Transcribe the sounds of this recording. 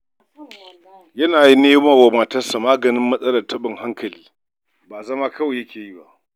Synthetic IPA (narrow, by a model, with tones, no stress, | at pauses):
jɐ˦naː˨ji˦neː˦ma˨wa˨maː˨tɐ˦sa˨maː˦ɡɐ˨nɪ˦mːɐ˦sʼɐ˦lɐ˨rtʰɐ˦ɓɪ˨ŋha˦ŋkʰɐ˨liː˦ | baː˨zɐ˦ma˦kʰɐ˦we˨jɐ˦kʲeː˨ji˦ba˦ʔ